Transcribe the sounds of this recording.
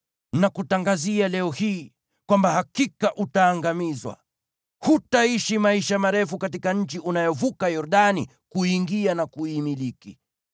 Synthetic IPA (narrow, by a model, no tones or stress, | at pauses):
nakutaŋɡazialɛɔhiː | kwambahakikaʔutaːŋɡamizwa̰ | hutaiʃimaiʃamaɾɛfukat̬ikaɲ̩t͡ʃiʔunajɔvukajɔɾɗani | kuiŋɡianakuimiliki